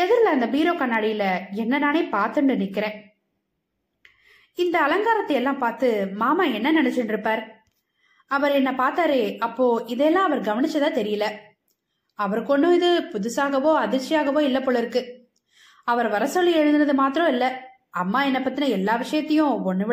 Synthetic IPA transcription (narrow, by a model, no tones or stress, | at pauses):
ɛðɯɾlɐɐnd̪ɐbiːɾoːkɐnːaːɽɪjɪlɐɛnːɐnaːneːpaːɾt̪ɯɳɖɯnɪkːɪɾẽː | ɪnd̪ɐːlɐŋɡaːɾɐt̪ːɐjɛlːãːpaːɾt̪ɯmaːmaːɛnːɐnɐnɛt͡ʃːɯɳɖɪɾɯpːaːɾ | ɐʋɐɾɛnːɐpaːɾt̪aːɾeːɐpːoːɪðɛjɛlːãːɐʋɐɾɡɐʋɐnɪt͡ʃːɐt̪ãːt̪ɛɾɪjɐlɐ | ɐʋɐɾkːɔɳɖʊ̃ɪðɯpʊðʊsaːɣɐʋoːɐðɪɾt͡ʃːɪjaːɣɐʋoːɪlːɐpːoːɭɪɾɯkːɯ | ɐʋɐɾʋɐɾɐsɔlːiɛɻɯnd̪ɯnɐðɯmaːt̪ɪɾɔ̃ɪlːɐ | ɐmːaːɛnːɐpːɐt̪ːɪnɐɛlːaːʋɪʂɐjɐt̪ːɐjʊ̃ɔɳːɯʋɪ